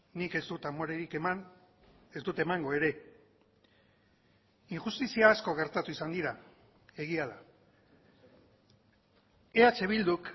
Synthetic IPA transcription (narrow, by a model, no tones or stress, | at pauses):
nike̞zd̪ut̪amoɾeɾikeman | ezd̪ut̪e̞maŋɡo̞e̞ɾe̞ | iŋxust̪isiaːsko̞ɣ̞e̞ɾt̪at̪uisand̪iɾa | e̞ɣ̞iaða | e̞at͡ʃe̞β̞ild̪uk